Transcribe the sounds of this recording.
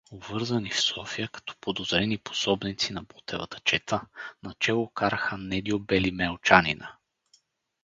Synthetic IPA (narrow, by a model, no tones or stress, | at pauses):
ovɤɾzənifsɔfijəkɐ̥t̪ɔ̥pod̪ozɾɛnipo̥sɔbnit̪sinɐbɔt̪ʰɛvɐ̰t̪ə̥t͡ʃɛt̪ʰənɐt͡ʃɛlˠokaɾəxənɛd̪iobɛlimɛlˠt͡ʃanḭnə